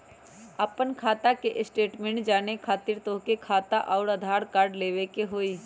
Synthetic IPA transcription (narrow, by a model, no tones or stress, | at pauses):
əpənkʰaːt̪akeʔɪsʈeːʈmẽːɳʈd͡ʒaːnekʰaːt̪ɪɾt̪õːkekʰaːt̪aʔɔːɾɐd̪ʱaːɾkaːɾɖleːʋekeɦoːiː